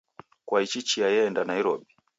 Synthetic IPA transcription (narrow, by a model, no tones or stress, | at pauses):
kwait͡ʃit͡ʃiajɛɛndanaiɾɔɓi